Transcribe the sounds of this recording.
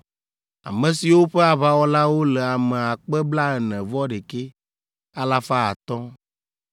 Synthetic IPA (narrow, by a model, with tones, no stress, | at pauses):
a̰˨mɛ̃˨si˨wo˦ɸe˦a˨βa˦wɔ˦la˦wo˦lɛ˨a˨mɛ˨a˨k͡pɛ˦bla˦ɛ˨nɛ̃˨vɔ˦ɖe˨ke˦ | a˦la˦fa˦a̰˨t̪ɔ̃˦